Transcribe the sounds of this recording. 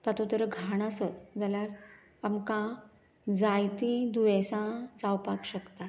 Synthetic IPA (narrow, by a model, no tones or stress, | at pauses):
t̪at̪ut̪əɾəɡʱaɽ̃asət̪d͡zaljaɾ | amkã | d͡zajt̪id̪uʋesãd͡zawpakɕəkt̪a